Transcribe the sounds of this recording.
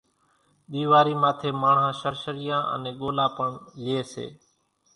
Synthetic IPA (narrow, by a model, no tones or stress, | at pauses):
ɗ̪iːʋaːɾiːmaːt̪ʰeːmaːɳhãːʃəɾʃəɾɪjãːʔə̰nẽːɠoːlaːpəɳlɪeːsḛː